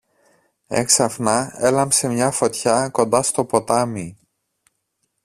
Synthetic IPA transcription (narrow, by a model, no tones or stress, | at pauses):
e̞̰ksɐfnɐe̞lɐmse̞mɲɐfo̞t̪çɐko̞nd̪ɐst̪o̞po̞t̪ɐmi